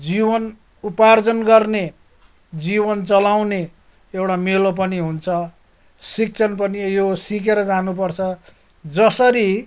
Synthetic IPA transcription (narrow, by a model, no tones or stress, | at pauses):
d͡zibʌn | upard͡zʌnɡʌrne | d͡zibʌnt͡sʌlawne | ewʈamelop̬ʌniɦunt͡sʰʌ | sik̚t͡sʰʌnpʌnijosik̬eɾʌd͡zanup̬ʌrt͡sʰʌ | d͡zʌsʌɾi